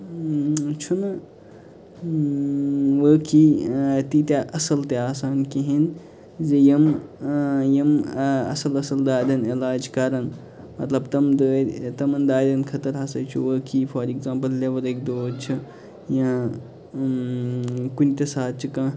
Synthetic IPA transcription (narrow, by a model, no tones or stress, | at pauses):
t͡ʃʰunɐ | ʋəːkʰit̪it̪ʲaʔɐsɐlt̪eaːsaːnkiɦin | zejɐm | jɐmɐ̰sɐlɐsɐld̪aːd̪ʲɐnilaːd͡ʒkɐɾɐn | mɐt̪lɐbt̪ɐmd̪ət̪ɐmɐnd̪aːd̪ɐnkʰɐt̪ɐɾɦɐsɐjt͡ʃʰuʋəːkʰiːfɐːɾekzãːmpɐlːeʋɐlek̚d̪oːt͡ʃʰi | jãː | kunt̪ʲɐsaːt̪̚t͡ʃʰikã